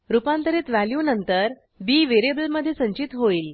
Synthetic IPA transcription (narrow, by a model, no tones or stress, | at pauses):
ɾupãnt̪əɾet̪ʋæljunənt̪əɾ | biːʋeɾiebəlməd̪ʱːjesə̃ɲt͡ɕit̪ɦoiːl